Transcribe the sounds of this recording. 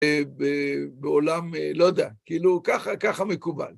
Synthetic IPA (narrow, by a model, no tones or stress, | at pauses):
bebeolamlod̪eakiiːlukaχakaχamekuba̰l